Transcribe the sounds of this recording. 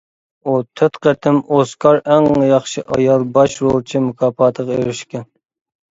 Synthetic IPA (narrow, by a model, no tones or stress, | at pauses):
ut̪ʰøt̪qət̪ʰɪmoskʰɑɾæŋjɑχʃɨʔɑ̰jɑlˠbɑʃɾolˠt͡ʃʰimukʰɑːpɑːt̪ʰəʁeɾɪʃkʲɛn